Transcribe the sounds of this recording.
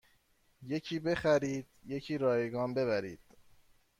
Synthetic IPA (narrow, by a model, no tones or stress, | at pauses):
je̞cʰiːbe̞xæɾiːd̪̥je̞cʰiːɾɒːjeɡɒːnbe̞βæɾḭːd̪̥